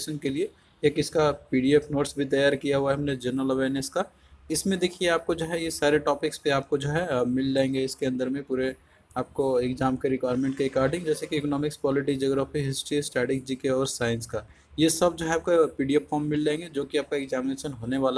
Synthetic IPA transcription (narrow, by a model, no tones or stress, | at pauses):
ʃənkelie | eːkɪskapiːɖiepʰnoːʈsbʱit̪̬ɐjaːɾkijaɦuaɦɐmned͡ʒəɾnəlɐʋeːɾnəska | ɪsmẽd̪ekʰieaːp̚kod͡ʒoɦɛjesaːɾeʈɔːpɪkspeaːp̚kod͡ʒoɦɛmɪlːãẽŋɡeɪskeɐ̃nd̪əɾmẽpuːɾe | aːp̚koekd͡ʒaːmkeɾɪkʋaːɾmẽɳʈkeɪkaːɾɖɪ̃ŋɡd͡ʒɛːsekiːkɔnɔːmɪkspɔːlɪʈ̬id͡ʒoːɡɾaːfiɦɪsʈɾisʈɛːʈɪk̚d͡ʒikeɔːɾsaːɪ̃nska | jesɐb̚d͡ʒoɦɛaːp̚kapiːɖiepʰːɔːɾmːɪld͡ʒãẽŋɡed͡ʒoːkiaːp̚kaɛkzɛːmɪneːʃənɦoːneʋaːla